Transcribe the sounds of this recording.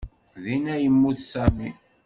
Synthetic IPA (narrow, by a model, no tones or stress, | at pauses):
ðinæjəmːuθsæmi